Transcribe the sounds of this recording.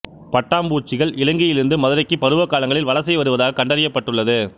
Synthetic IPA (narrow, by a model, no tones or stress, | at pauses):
pɐʈːaːmbuːt͡ʃːɪɣɐɭʔɪlɐŋɡɪjɪlɪɾɯnd̪ɯmɐðɯɾɐɪkːɯpɐɾɯʋɐkːaːlɐŋɡɐɭɪlʋɐɭɐsɐɪʋɐɾɯʋɐðaːɣɐkɐɳɖɐɾɪjɐpːɐʈːɯɭːɐðɯ